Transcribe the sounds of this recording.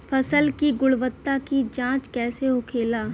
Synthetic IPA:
fʰɐsəlkiɡʊɭʋət̪ːakid͡ʒãːt͡ʃkɛːseɦʊkʰeːlaː

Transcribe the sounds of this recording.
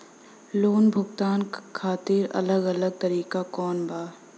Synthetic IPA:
loːnbʱʊɡt̪aːnkʰaːt̪ɪɾɐ̰ləɡɐləɡ̚t̪ɐɾiːkakɔːnbaː

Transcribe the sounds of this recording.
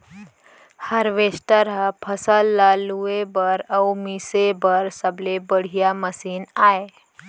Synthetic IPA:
həɾʋesʈəɾɦapʰəsəlːaluebəɾəwmisebəɾsəblebəɽ̤ijaməsiːnae

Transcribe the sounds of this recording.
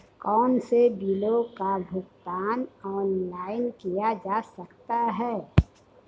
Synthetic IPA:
kɔːnsebilokabʱʊɡt̪aːnɔːnlaːɪnkijad͡ʒaːsəkt̪aɦɛː

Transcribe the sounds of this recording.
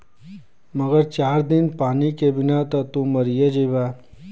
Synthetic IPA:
mɐɡəɾt͡ʃaːɾd̪ɪnpaːnikebɪnat̪ɐt̪ũmɐɾijəd͡ʒibaː

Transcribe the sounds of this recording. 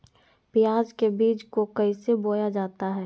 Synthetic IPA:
pɪjaːd͡ʒkebiːt͡ʃkokɐiseboːjad͡ʒaːt̪aɦɛː

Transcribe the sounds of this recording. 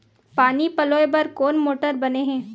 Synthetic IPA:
paːnipɐloːebɐɾkoːnmoːʈəɾbɐneɦɛ̃ː

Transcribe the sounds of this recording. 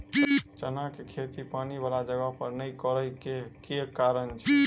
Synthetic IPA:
t͡ʃənakekʰet̪ipanibalad͡ʒəɡapəɾnəjkəɾəjkekekaɾənt͡ʃʰɛ

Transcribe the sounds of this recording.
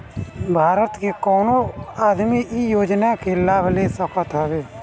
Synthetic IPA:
bʱaːɾət̪kekɔːnoaːd̪miijoːd͡ʒnakelaːbleːsəkət̪ɦɛbeː

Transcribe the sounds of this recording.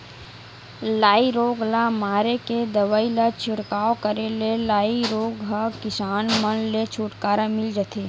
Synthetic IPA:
laːiɾoːɡlamaːɾeked̪ɐʋaːilat͡ʃʰɪɽkaːokəɾelelaːiɾoːɡɦakɪsaːnmənlet͡ʃʰuːʈkaːɾamɪld͡ʒat̪ʰeː

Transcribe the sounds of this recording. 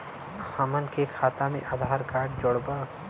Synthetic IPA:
haːmənkekʰaːt̪amḛ̃ʔad̪ʱaːɾkaːʈd͡ʒoɽba

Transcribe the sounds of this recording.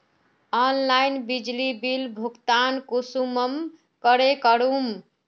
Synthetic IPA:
ɔnlajnbid͡ʒlibilbʱukt̪ankusuməm | kəɾekəɾum

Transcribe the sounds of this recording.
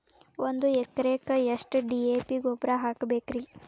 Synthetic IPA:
ʔond̪uɛkːɐɾeːkɐeʂʈɖiːeːpiɡoːpɾaɦaːkbeːkɾi

